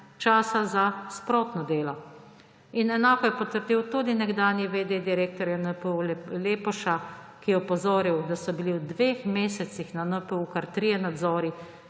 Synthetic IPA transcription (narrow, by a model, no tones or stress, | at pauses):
t͡ʃaːsazaspɾoːt̪nɔd̪eːlɔ | inɛnaːkɔjɛpɔt̪əɾd̪iwt̪uːd̪inɛɡd̪aːnjiʋed̪ed̪iɾeːk̚t̪ɔɾjanəpleːpɔʃa | kijɛɔpɔzoːɾiwd̪asɔbiliwd̪ʋexmeːsɛt̪sixnanəpəukaɾt̪ɾijɛnad̪zɔːɾi